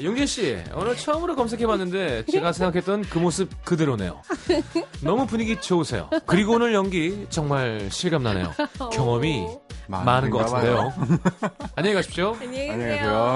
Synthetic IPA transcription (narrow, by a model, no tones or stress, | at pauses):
joŋɡeɕ͈ḭo̰nɯɭt͡ɕʰʌɯmɯɾokʌmsʰe̞kʰe̞banːɯnde̞t͡ɕe̞ɡasʰeŋɡakʰe̞t͈̚ʌnkɯmosʰɯp̚kɯdɯɾone̞̰jo̰ | nʌmupuɲiɡit͡ɕoosʰe̞̰jo̰kɯɾiɡoonɯɭjʌŋɡit͡ɕʌŋmaɭɕʰiɭɡamnanḛjo̰kjʌŋʌmi | manɯnɡʌk͈atʰndejo | aɲːeɡaɕʰi̥p̚ɕoeaseo